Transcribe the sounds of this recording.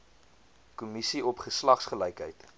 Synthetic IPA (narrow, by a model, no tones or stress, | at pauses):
kumisiɔpχəslɐχsχəlɛjkɦəjt